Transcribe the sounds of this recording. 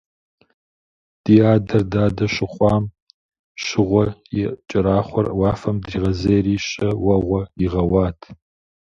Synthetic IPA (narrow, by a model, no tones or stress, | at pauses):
d̥iːaːdɐrdaːdɐʃɨχʷɑːm | ɕɪʁʷɔit͡ʃʼɪɾaːχʷɔrwɑːfɐmdriːʁɐzejriːɕʼɐwɐʁʷɔiʁɐwɑːtʰ